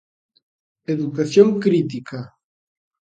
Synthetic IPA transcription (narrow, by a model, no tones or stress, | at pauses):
eðukaθjoŋkɾit̪̬ika